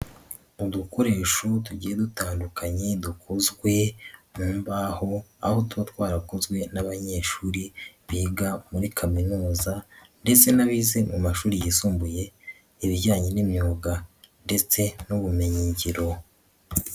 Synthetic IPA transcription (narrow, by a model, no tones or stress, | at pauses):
uduko̞ɾe̞ːʃotuɟiːjedutaːndukaɲedukʰozɡwe̞nuːmbaho̞a̰ho̞tuβatwaːɾakozɡwe̞naβaɲe̞ːʃuːɾiβiːɡamuɾikʰaminuːzande̞t͡se̞naβize̞mumaʃuːɾijisuːmbuje̞ | iβiɟaːɲenimɲoːɡa | nde̞t͡se̞nuβumeɲiɲɟiɾo̞